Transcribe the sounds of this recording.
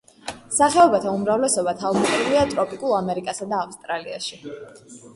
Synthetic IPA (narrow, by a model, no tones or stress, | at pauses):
saχɛɔbat̪ʰaumɾavlɛsɔbat̪ʰavmɛt̪ʼɾiliat̪ʼɾɔpʼikʼulˠamɛɾikʼasad̪aːfst̪ʼɾalia̰ʃi